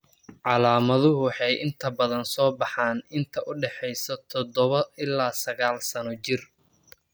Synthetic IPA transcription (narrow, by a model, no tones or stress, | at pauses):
ʕɑlaːmɐðʊɦʊħɑjʔɪnt̪ʰɐbɐðɐnsɔːbɑħaːnɪnt̪ʰɐʔʊɖɛħɛjsɔt̪ʰɔd̪ɔβɐɪlːaːsɐɣaːlsɐnɔt͡ʃɪr